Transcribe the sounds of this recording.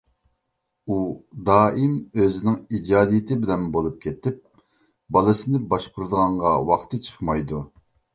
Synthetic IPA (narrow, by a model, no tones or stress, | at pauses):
ud̪ɑːʔimøzɪnɪŋid͡ʒɑːd̪ijɪt̪ʰɪbɪlɛnbolˠup̚kʲʰet̪ɪp̚ | bɑlˠɨsɨnɨbɑʃqʊɾɨd̪əʁɑɴʁɑwɑχt̪ʰɨt͡ʃʰə̥χmɑjd̪u